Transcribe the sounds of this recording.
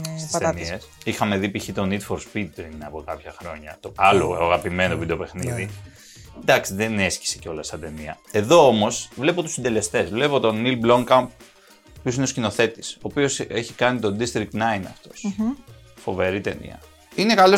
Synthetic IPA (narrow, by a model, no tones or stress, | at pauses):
sist̪niesixɐme̞ðipiçit̪o̞nit̪foɾspit̪̚pɾinɐpo̞kɐpçɐxɾo̞ɲɐt̪oɐlo̰ɐɣɐpime̞novid̪ope̞xniði | d̪ɐksiðene̞sci̥seceo̞lɐst̪ɐt̪e̞niɐ̰e̞ðo̞omo̞svle̞pot̪usind̪e̞le̞st̪e̞zvle̞po̞t̪o̞nilblo̞ŋkɐmp | opjosineoscino̞θe̞t̪i̥so̞ːpioseçikɐnit̪o̞d̪ist̪ɾik̚t̪nɐjnɐ̰ft̪os | fo̞̰ve̞ɾit̪e̞nḭɐ̰ | ine̞kalo